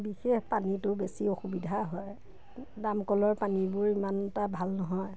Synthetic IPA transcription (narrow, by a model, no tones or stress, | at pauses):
bixexpanitʊbesioxubidʱaɦɔj | damkɔlɔɹpanibʊɹimanɛtabʱalnɔɦɔj